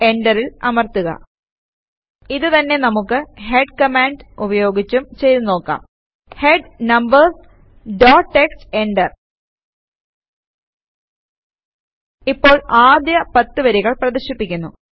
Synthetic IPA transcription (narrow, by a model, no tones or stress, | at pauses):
e̞ɳɖɐrilɐmɐrt̪uɣɐ̰ | iðɨt̪ɐnːe̞nɐmukːɨɦe̞ɖkɐmaːɳɖubɐjo̞ːɡit͡ɕːumt͡ɕe̞jɾno̞ːkːa̰ːm | heɖnɐmbɐrs | ɖoːʈːekse̞ɳɖɐr | ipːo̞ːɭaːd̪jɐpɐt̪ːɨʋɐɾiɣɐɭprɐðiɕipːikʲːunːṵ